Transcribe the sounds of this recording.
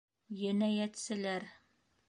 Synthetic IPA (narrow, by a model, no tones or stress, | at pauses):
jænæjæt̪sɘ̆læɾ